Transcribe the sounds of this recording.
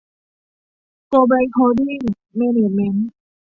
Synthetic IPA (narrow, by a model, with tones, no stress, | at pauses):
ko˧ba˧jkʰo˧di˥˩˨ŋ | me˧ne˨˩t̪̚mɛ˧n